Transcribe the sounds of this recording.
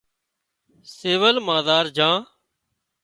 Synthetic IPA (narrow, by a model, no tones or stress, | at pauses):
seːʋəlmãːd̪aːɾd͡ʒãː